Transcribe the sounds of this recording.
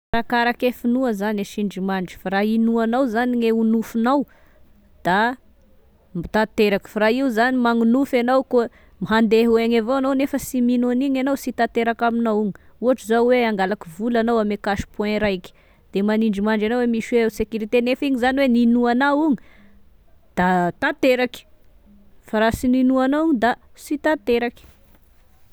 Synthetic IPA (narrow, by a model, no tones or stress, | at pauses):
faɾakaɾakefunuəzaneʃiɳd͡ʒimaɳɖ͡ʐi̥faɾainuanawzaniŋeunufunaw | d̪̥a | mit̪at̪eɾaki̥faɾaiuzanimaŋunufanawko | miɦand̪eɦueŋavoanawnefəsiminoniɲanawsit̪at̪eɾakaminawiɲuɦaʈ͡ʂuzawweaŋɡalakivulanawamekaʃi̥pwɛ̃ɾajkʲi̥ | d̪̥emaniɳɖ͡ʐimaɳɖ͡ʐanowemiʃwesekuɾit̪enefiɲizaniweninuanawiɲi | d̪̥at̪at̪eɾaki̥ | faɾasininuanoiɲid̪a | sit̪at̪eɾakʲi̥